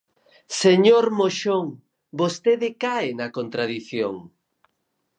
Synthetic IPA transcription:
seɲoɾmoʃoŋ | bost̪eðɪkaenɐkont̪ɾaðiθjo̰ŋ

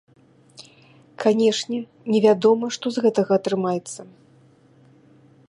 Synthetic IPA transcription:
kʰanʲɛʂnʲɛ | nʲɛvʲad̪ɔmɐʂt̪ɔzɣɛt̪ɐɣɐːt̪ɾɨmajɛt̪sːɐ

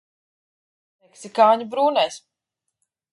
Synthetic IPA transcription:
meksikaːɲubɾuːnɛjs

